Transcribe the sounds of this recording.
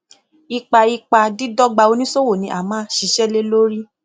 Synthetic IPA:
i˧k͡pa˧i˧k͡pa˧di˦dɔ˦ɡ͡ba˧o˧nĩ˦so˦wo˦˨nĩ˧ʔa̰˨mãː˦ʃi˧ʃɛ˦le˦lo˦ɾi˦

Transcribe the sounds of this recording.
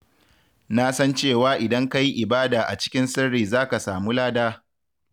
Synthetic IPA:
na˦sɐ˦nt͡ʃeː˦˨waː˦ʔɪ˨dɐ˦ŋka˦ji˦ʔɪ˨baː˦daː˨ʔa̰˨t͡ʃɪ̥˦kʲɪ˦nsɪ˦ɽːiː˨zaː˦ka˨saː˨muː˦laː˦daː˦

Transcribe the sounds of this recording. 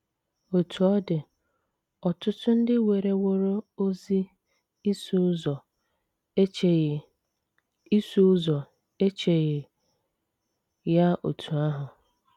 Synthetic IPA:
o˨tʰu˨ɔ˦dɪ˨ | ɔ˨tʊ˦tʊ˦n̩˦dɪ˦we˨ɾe˦wo˨ɾo˦o˦zi˦ | su˦zɔ˨˦ | i˦su˦zɔ˨ | e˦t͡ʃe˨ɣɪ˨ | ja˦o̰˨tʰu˨a˦ɦʊ˨

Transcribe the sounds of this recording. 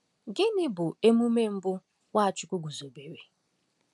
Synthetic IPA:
ɡɪ˦nɪ˦bʊ˨e˦mu˦me˦m̩˦bʊ˦ | wa˦a˨t͡ʃʊ˦kʷʊ˦ɡu˨zo˨be˨we˨

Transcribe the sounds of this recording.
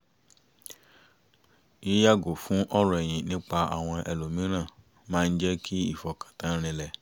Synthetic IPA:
ji˦ja˦˨ɡo˨fũ˦ʔɔ˦ɾɔ˨ɛ˨j̃ĩ˨nĩ˨˦k͡pa˧a̰˨w̃ɔ̃˧ʔɛ˨lo˨mĩ˨˦ɾ̃ã˦˨ | mãː˦˧n̩˦d͡ʒɛ˦kʰi˦i˦˨fɔ˧kḁ˨tã˨˦ɾ̃ĩ˧lɛ˧˨

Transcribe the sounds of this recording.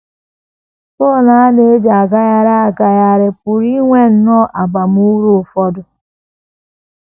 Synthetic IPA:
pɔ˦˨na˦a˦ne˦e˦da˨ɡa˦ja˦ɾa˦a˨ɡa˨ja˨ɾɪ˨pʊ˨ɾi˦ŋʷe˦n̩˦nɔ˦ʔa˨ba˨m˦u˦ɾu˦˨fɔ˦dʊ˨

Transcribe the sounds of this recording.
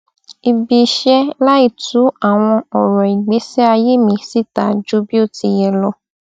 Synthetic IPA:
i˧bi˧˨ʃɛ˦la˦i˨tu˨˦a˦˨w̃ɔ̃˧ɔ˨ɾɔ˨i˨ɡ͡be˨˦sɛ˦a˧je˦mĩ˧si˦ta˨d͡ʒu˦bi˦o˦˨ti˧jɛ˧lɔ˧

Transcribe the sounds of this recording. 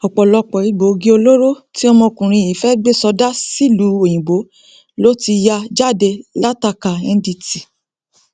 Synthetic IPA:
ɔ˨k͡pɔ˨lɔ˧k͡pɔ˨i˨˧ɡ͡bo˨˦ɡi˦o˧lo˦ɾo˦ | ti˦ɔ˧mɔ̃˧˨kũ˨ɾ̃ĩ˧i˨fɛ˦ɡ͡be˦˨sɔ˧˦da˦si˦˨lu˨˦o˨j̃ĩ˨bo˨˦ | lo˦ti˧ja˧d͡ʒa˦˨de˧la˦ta˧˨ka˨ɛ˧n˦di˧ti˨

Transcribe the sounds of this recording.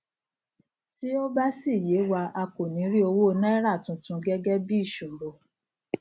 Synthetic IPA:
ti˦o˦ba˦si˦˨je˨˦wa˧a˧ko˨nĩ˨˦ɾi˦o˧wo˦˧nɛ̃˦ɾa˦˨tũ˨˧tũ˧˦ɡɛ˦ɡɛ˦bi˦˨ʃũ˨bo˨

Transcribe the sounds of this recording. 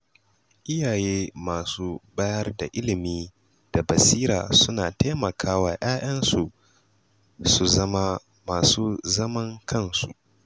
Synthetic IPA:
ʔɪ˦jaː˨jeː˦maː˨suː˦baː˦jɐ˦rda˨ʔɪ˦lɪ˨miː˦ | d̥a˨bɐ˨siː˦ɾa̰ː˨sʊ˦naː˨ta˦jmɐ˨kʰaː˦waː˨ʔaː˦j̰ɐ˦nsu˨ʔ | su˨zɐ˦ma˦ | maː˨suː˦zɐ˦mɐ˦ŋkʰɐ˦˨nsṵ˨ʔ

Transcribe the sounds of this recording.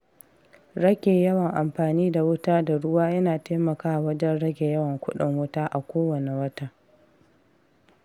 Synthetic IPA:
ɽɐ˦ɡʲeː˨jɐ˦wɐ˨ŋʔa˨mɸaː˨niː˦da˨wʊ˦taː˦da˨ɽʊ˦waː˦jɐ˦naː˨teː˦mɐ˨kaː˦˨wɐ˦d͡ʒɛ˦nɽɐ˦ɡʲe˨jɐ˦wɐ˨ŋkʷʊ˦ɗɪ˨ŋwʊ˦taː˦ʔa˨kʷoː˦wɐ˨ne˨wɐ˦ta˦

